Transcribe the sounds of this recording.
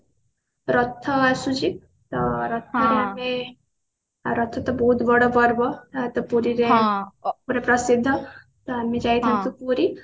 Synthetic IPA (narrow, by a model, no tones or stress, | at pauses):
ɾɔt̪ʰːɔasud͡ʒi | t̪ɔɾɔt̪ʰːɔɾeame | ɾɔt̪ʰːɔt̪ɔbɔɦut̪bɔɽobɔɾbɔat̪ɔpuɾiɾe | puɾepɾʌsid̪ʱːɔ | t̪ɔamed͡ʒajt̪ʰãnt̪upuɾi